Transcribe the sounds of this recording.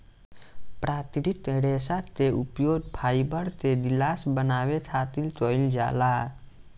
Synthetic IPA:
pɾaːt̪iɾit̪ɽeːsat̪eʔupjoːd̪pʰaːibəɾt̪ed̪ilaːsbənaːwet̪ʰaːt̪ilt̪oːild͡ʒa̰ːla

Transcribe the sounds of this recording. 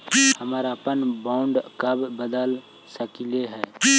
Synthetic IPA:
həməɾəpənbaʊɳɖkəbbəd̪əl | səkileɦɛː

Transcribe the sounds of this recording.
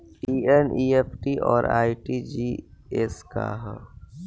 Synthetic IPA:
iːeniːepʰʈiʔɔːɾa̰ːiʈid͡ʒieska̰ɦə

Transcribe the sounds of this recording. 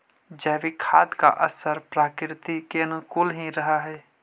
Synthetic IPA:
d͡ʒɛːʋikʰaːd̪ka̰ʔəsəɾpɾaːkɾt̪ikeənkʊlɦĩɾəɦaɦɛː

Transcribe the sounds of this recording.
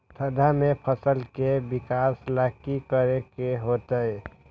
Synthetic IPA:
t̪ʰəd̪ʱamepʰəsəlkebikaslakikəɾekeɦot̪əe

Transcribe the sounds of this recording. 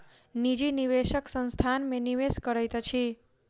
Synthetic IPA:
nid͡ʒiniʋeʃəksə̃nst̪ʰanmeniʋeskəɾəjt̪ət͡ʃʰi

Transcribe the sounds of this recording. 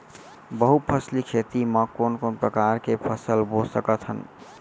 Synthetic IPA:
bəɦupʰəslikʰet̪iməkonkonpɾəkaɾkepʰəsəlbosəkət̪ɦən

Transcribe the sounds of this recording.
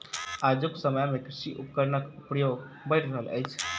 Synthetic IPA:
ad͡ʒuksəməjmekɾiʃiʔupkəɾnəkupɾəjoɡ | bəjʈʰɾəɦələ̰jt͡ʃʰ

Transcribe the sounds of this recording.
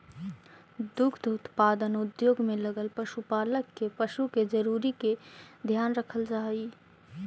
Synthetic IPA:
d̪ukʰd̪ut̪pad̪ənud̪joɡmeləɡəlpəʃupaləkːepəʃuked͡ʒəɾuɾiked̪ʱjanɾəkʰəld͡ʒaj

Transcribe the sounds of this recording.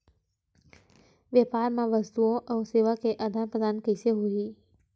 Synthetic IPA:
ʋjeːpaːɾmãʋɐst̪uõʔɔːseːʋakeʔɐd̪ʱaːnpɾəd̪aːnkəɪseɦuiː

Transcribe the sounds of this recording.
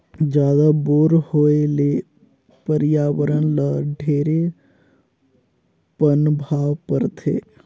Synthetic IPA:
d͡ʒjaːd̪aboːɾhoːeleː | pəɾɪjaːwəɾənləɖʱeːɾe | pənbʱaːʋpəɾt̪ʰḛː

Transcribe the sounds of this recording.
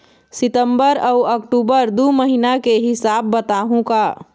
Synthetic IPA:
sɪt̪əmbəɾəʊəkʈuːbəɾd̪uməɦinakeɦɪsaːbːət̪aɦũka

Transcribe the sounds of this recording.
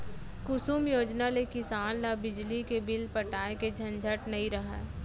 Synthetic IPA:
kʊsuːmjoːd͡ʒnalekɪsaːnlabɪd͡ʒlikebɪlpɐʈaːeked͡ʒʱɐ̃nd͡ʒʱəʈnɐɦĩɾɐɦɛ̰ː

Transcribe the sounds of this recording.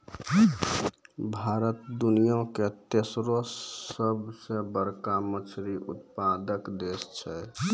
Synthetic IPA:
bʱaɾət̪d̪unijõket̪esɾoəbsebəɾkamət͡ʃʰɾiʔṵt̪̚pad̪əkd̪est͡ʃʰɛ

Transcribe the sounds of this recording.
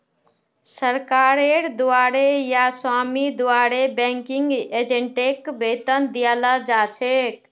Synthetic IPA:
səɾkaɾeɾd̪uaɽejaswamid̪uaɽebɛ̃ŋkiŋɡed͡ʒeɳʈekbʱet̪ənd̪ijalad͡ʒat͡ʃʰek

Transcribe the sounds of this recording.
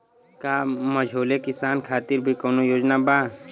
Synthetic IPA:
kaːməd͡ʒʱoːlekɪsaːnkʰaːt̪ɪɾbʱikoːnojoːd͡ʒnabaː

